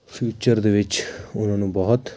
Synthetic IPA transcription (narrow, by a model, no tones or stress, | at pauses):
pʰjuːt͡ʃəɾd̪eːʋɪt͡ʃʊnãːnũːbɔɦʊt̪